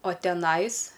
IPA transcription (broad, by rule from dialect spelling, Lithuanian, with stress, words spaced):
oː tʲɛˈnɐɪs